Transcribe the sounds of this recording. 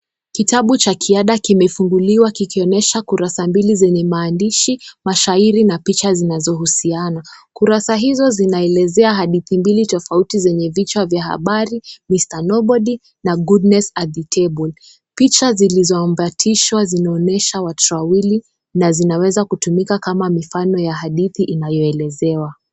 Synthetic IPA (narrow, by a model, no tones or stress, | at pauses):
kitaɓut͡ʃakʰiaɗakimɛfuŋɡuliwakikiɔnɛʃakuɾasambilizɛɲɛmaːndiʃimaʃaiɾinapit͡ʃazinazɔhusianakuɾasaɦizɔzinaɛlɛzɛaɦaɗiθimbilitɔfautizɛɲɛvit͡ʃavjaha̰ɓaɾimistanɔɓɔɗi | naɡudnɛsaðitʰɛɓɔl | pit͡ʃazilizɔambatʰiʃwazinaɔnɛʃawatɾawili | nazinawɛzakutumikakamamifanɔjaɦaɗiθiʔinajɔɛlɛzɛwa